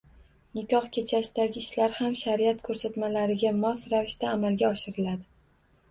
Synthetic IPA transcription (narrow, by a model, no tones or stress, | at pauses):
nɪkʲɒχkʲʰe̞t͡ʃʰasɪd̪aɡʲɪːʃlaɾhamʃaɾiat̪kʰɵɾsat̪malaɾɪɡʲamɒsɾavɪʃt̪aːmalɡʲaɒʃɪɾɪlad̪ɪ